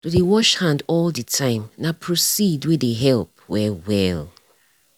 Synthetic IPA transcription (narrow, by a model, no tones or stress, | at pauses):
tudewɔʃhãndɔldətʰãɪ̃mnapʰɹosidwideɦɛlˠp̚wɛwɛl